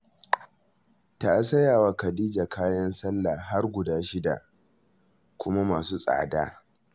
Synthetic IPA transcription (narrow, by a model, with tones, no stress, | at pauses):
ta˨ʔs̬ɐ˦jaː˨wa˨kɐ˨diː˦d͡ʒa˨kaː˦jɐ˦nsɐ˦lːa˨ɦa˦rɡʷʊ˨daː˦ʃɪ˦da̰˨ʔ | kʷʊ˦ma˦maː˨suː˦sʼa̰ː˨da̰ː˦